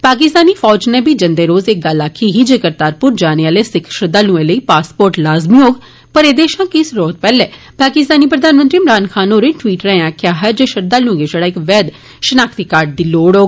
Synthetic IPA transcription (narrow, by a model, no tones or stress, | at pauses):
paːk̬ɪst̪aːniːfʰɔːd͡ʒneːbiːd͡ʒənd̪eːɾoːzɪk̚ɡəlaːkʰiːɦiːd͡ʒekəɾt̪aːɾpʊɾd͡ʒaːneaːleːsɪkʰʃəɾd̪aːlũːẽːləiːpaːspoːɾʈlaːzmioːɡ | pəɾeːd̪eːʃãːkɪsɾoːt̪̚pɛːlɛː | paːkɪst̪aːniːpɾəd̪aːnmənt̪ɾiːmɾaːnkʰaːnoːɾẽːʈʋiːʈɾɛ̃ːaːkʰjaːɦɛːd͡ʒeːʃəɾd̪aːlũːɡed͡ʒeɽaːɪkʋɛːd̪ | ʃənaːkʰt̪iːkaːɾɖ̚d̪iːloːɽoːɡ